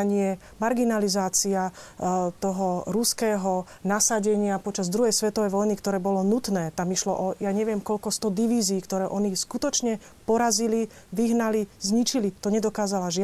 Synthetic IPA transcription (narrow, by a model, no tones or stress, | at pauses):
ɲɪɛ | maɾɡinalizaːt͡sia | t̪ɔɦɔɾuskɛːɦɔ | nasaɟɛɲɪapɔt͡ʃazd̪ɾuɦɛjsʋɛt̪ɔʋɛjʋɔjnikt̪ɔɾɛːbɔlɔnut̪nɛːt̪amiʃlɔ̰ʔɔjaɲɛʋɪɛmkɔʎkɔst̪ɔd̪iʋiːziːkt̪ɔɾɛːʔɔniskut̪ɔt͡ʃɲɛ | pɔɾazili | ʋiɦnalizɲit͡ʃilit̪ɔɲɛd̪ɔkaːzalaʒɪ